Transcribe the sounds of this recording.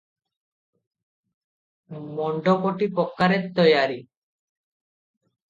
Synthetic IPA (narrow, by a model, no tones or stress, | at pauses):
mɔɳɖɔkoʈipɔkːaɾet̪ːɔjaɾi